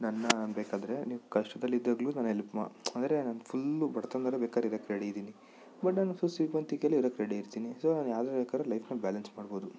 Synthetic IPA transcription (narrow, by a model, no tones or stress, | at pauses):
nɐnːɐnbeːkaːd̪ɐɾe̞niːʋukɐʂʈɐd̪ɐlːid̪ːaːɡluːnanelpma̰ɐnd̪ɐɾe̞naːnpʰulːbɐɽt̪ond̪ɐɾebekaːd̪ɾeiɾɐkɾeɽeid̪iːni | bɐʈnaːnsusʋiʋɐnt̪ikeliɾɐkɾeɽeiɾt̪iːnisoːnaːnjaːd̪bɛkaːɾɐlɐjpʰnɐbaːlɐnsmaːɽbo̞ːd̪u